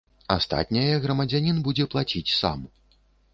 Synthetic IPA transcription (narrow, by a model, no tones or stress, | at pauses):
ast̪a̰t̪ʲnʲɐjɐɣɾɐmɐd͡zʲanʲinbud͡zʲɛplˠat͡sʲit͡sʲsa̰m